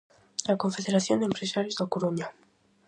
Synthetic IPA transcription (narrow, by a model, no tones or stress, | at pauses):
lakoɱfeðeɾaθjond̪empɾesaɾjozðakoɾuɲa